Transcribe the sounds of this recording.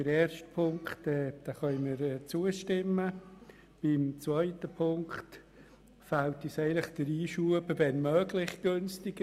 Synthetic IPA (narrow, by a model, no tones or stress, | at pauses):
əɾɛːrʃtpʰʊŋkχtɛːd̥aχœjməɾɛt͡suəʃtɪmə | b̥ɪmt͡svœɪtəpʰʊŋkt | faltisɛɪlɪχd̥əɾiːʃuəbəvɛnmœːɡlɪχɡ̥ɵnstɪɡ